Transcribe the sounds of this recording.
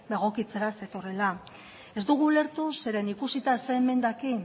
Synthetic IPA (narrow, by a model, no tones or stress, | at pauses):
d̪eɣo̞kit͡se̞ɾase̞t̪o̞rela | e̞zd̪uɣ̞ule̞ɾt̪use̞ɾenikusit̪aseeme̞nd̪aki